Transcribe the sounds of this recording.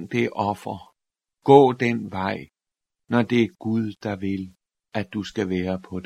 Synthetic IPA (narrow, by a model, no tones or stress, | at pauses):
ŋ̰d̥eʔɒ̽fɐ | ɡ̥ɔ̰̽ːd̥enʋɑ̈ɪ̰ | nɒd̥e̝æɡ̥uð̞ˠd̥ɑ̈ʋe̝l | æd̥ːusɡ̥æʋeːɐpʰɒ̽de